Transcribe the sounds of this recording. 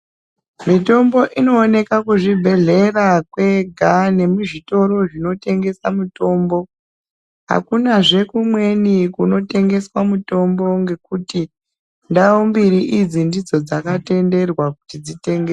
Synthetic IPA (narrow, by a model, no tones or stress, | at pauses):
mito̞mbo̞ʔino̞ːne̞kakuʐibʱe̞ɮe̞rakwe̞ɡʱane̞muʐito̞ɾo̞ʐino̞te̞ŋɡe̞samuto̞ːmbo̞ | ɦa̰kunaʐe̞kumwe̞nikuno̞te̞ŋɡe̞swamuto̞mbo̞ŋɡe̞kuti | ndawombiɾiʔid͡zindid͡zo̞d͡zakate̞nde̞rwaku̥tid͡zite̞ŋɡe